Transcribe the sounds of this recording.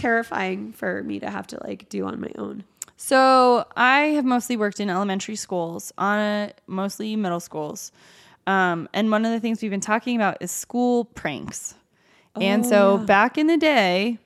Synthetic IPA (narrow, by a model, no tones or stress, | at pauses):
tʰɛɹɨfa̰ɪɪ̃ŋfə˞mḭɾɨ̰ɦæ̰ftə̰la̰ɪk̚d̥ɨə̰̃nma̰ɪʔõ̰ʊ̃nsoʊaɪɨvmoʊstˡliwɜ˞k̚tɨ̃nɛlˠəmɛ̃ntə˞iskulˠz̥ʔə̃nɪmoʊstˡlimɪɾl̩ˠskulˠz̥ | ʌ̃mʔɨ̃nwʌ̃nʌvðɨθɪ̃ŋzwivbɨ̃ntʰɔkɪ̃ŋɨbaʊɾɨz̥skulˠpʰɹ̥æ̰̃ŋks | ɨ̃nsoʊbækɨ̃nðɨdeɪ